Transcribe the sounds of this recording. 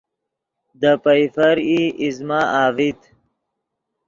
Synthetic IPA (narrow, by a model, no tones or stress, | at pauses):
d̪əpəjfɐɾiizmaaːvit̪